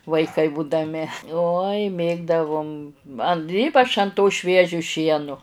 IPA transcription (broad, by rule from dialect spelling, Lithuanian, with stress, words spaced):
ʋɐɪˈkɐɪ buːdɐˈmʲɪ uɔj ˈmʲeːɡdɐʋʊm ɐn ˈiːpɐt͡ʃ ɐn toː ˈʃʲʋʲiɛʒʲoː ˈʃʲiɛnʊ